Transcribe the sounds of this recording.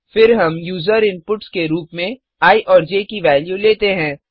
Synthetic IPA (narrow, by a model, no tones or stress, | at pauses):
fɪɾɦɐmjuːzəɾɪ̃mpʊʈskeɾuːpmẽ | aːiʔɔːɾd͡ʒeːkiʋɛːljuleːt̪eɦɛ̃ː